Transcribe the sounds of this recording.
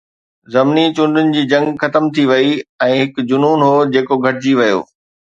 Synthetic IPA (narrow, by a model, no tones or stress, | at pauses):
zɐmnit͡ɕʊ̃ɳɖʱʊnɪ̆d͡ʑiːd͡ʑɐ̃ŋɡxɐt̪əmt̪ʰiʋɐiɛ̃ːɦɪkd͡ʑʊnuːnɦoːd͡ʑeːkoɡʱɐʈɪd͡ʑiʋɐjo̰ː